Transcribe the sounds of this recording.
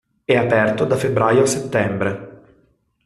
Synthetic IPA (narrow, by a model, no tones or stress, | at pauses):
ɛapɛrt̪od̪afebɾaːjoasːet̪ːɛmbɾe